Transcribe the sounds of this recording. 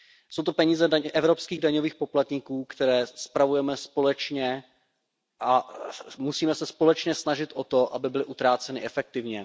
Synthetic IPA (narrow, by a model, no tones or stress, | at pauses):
sowt̪o̞pɛɲiːzɛdaʔɛvɾo̞pskiːɣdaɲoviːxpo̞plat̪ɲikuːkt̪ɛɾɛːspɾavujɛmɛspo̞lɛt͡ʃɲɛ | ʔamusiːmɛsɛspolɛt͡ʃɲɛsnaʒɪt̪ʔot̪o̞ʔabɪbɪlɪʔut̪ɾaːt͡sɛnɪʔɛfɛk̚t̪ɪvɲɛ